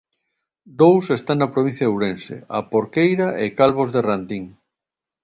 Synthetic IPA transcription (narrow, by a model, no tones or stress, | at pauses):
d̪owsest̪aŋnɐpɾoβin̟θjɐewɾensḛa̰poɾkejɾaʔekalβozðerant̪iŋ